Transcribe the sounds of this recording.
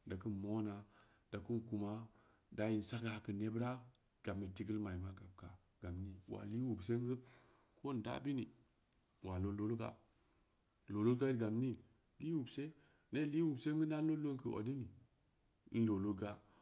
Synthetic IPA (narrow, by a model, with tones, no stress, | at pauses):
da˨ku˦mo˦na˨ | da˨ku˦nku˨ma˦ | da˨˦ji˨n̩˨sa˦ɡa˨kə˨ne˦bɾa˦ | ɡ̥a˨mːe˨ti˦ɡə˦lma˨i˨ma˦ɡa˨b̚ka˨ | ɡ̥a˨mni˦wa̰˨li˦wu˨bs̬e˦ŋ˦ɡə˦ | ko˦n˨da̰˦bi˦ni˨ | wa˨lo˦lo˦lɡa̰˨ | lo˨lo˦ɡa˦ɡa˨mni˦ | li˦wu˨bse˦ | ne˦˨li˦wu˨bse˦ŋɡə˦na˦o˦lo˦ŋkə˨ʔo̰˨di˦ni˨ | n̩˦lo˨lo˦ɡa˦